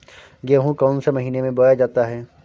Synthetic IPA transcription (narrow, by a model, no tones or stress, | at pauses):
ɡeːɦũkɔːnsemɐɦiːnemẽbojad͡ʒaːt̪aɦɛː